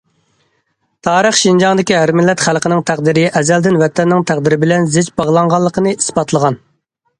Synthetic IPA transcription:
t̪ʰɑːɾəχʃind͡ʒɑŋd̪ɪkʲiɦæɾmɪlːɛt̪χælˠqənɪŋt̪ʰæqd̪ɪɾɪʔɛzɛld̪ɪnwɛt̪ʰɛnːɪŋt̪ʰæq̚d̪ɪɾɪbɪlɛnzɪd͡ʒbɑʁlˠɑŋʁɑlˠːəqʰənɨʔisbɑt̪lˠəʁɑn

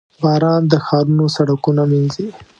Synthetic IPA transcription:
bɑːɾɑnd̪əxɑɾunosaɽakunaminzi

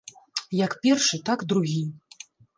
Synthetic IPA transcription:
jɐkpʲɛrʂɨt̪aɡd̪ɾuɣʲi

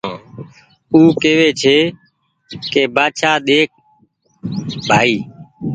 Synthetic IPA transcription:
uːkeːʋeːt͡ʃʰeː | keːbaːʃaːɗ̪eːk̚ʰ | bʱaːiː

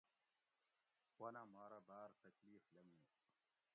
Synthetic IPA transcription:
kwɐnamaːɾɐbaːɾt̪ɐkliːflɐmiː

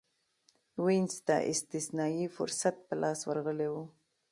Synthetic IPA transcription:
winst̪a̰ʔɪ̰st̪ɪsnɑjifʊɾsat̪̚pəlʔɑswaɾɣəlewu

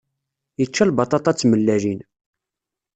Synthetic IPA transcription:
jət͡ʃːælbɑt̪ˤɑt̪ˤɑt͡sːməlːæʒin

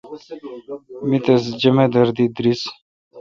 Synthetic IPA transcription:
mit̪esd͡ʒəmed̪əɾd̪id̪ɾis

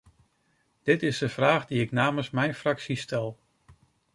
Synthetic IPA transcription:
d̥ɪtɪsdəfraːχdiɪknaːməsmɛjnfraksistɛlˠ

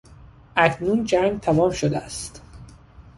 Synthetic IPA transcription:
ʔæcʰnuːnd͡ʒæŋɡt̪ʰæmɒːmʃod̪eæst̪

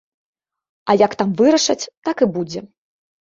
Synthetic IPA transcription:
ɐjɐkt̪amvɨɾɐʂɐt͡sʲt̪akɨbud͡zʲɛ

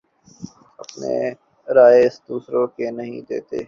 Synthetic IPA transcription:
ɐpnḛ | ɾaːeɪsd̪uːsɾokenɐɦĩd̪eːt̪ḛː

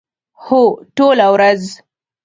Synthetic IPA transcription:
hoʈolawɾaz

